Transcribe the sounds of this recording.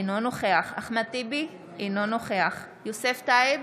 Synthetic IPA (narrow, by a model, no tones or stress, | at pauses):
inonoχeaχa̰χmat̪ibi | inonoχeaχ | joseftaeb